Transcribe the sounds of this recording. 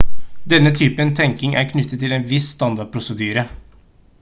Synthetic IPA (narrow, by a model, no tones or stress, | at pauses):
d̪ɛnːət̪ʰyːpənt̪ʰɛŋkɪŋʔæ̰ɾkʰnʏt̪ːət̪ʰːɪleːnʋɪsst̪ɑnd̪ɑɖ̚pʰɾʊsəd̪yːɾə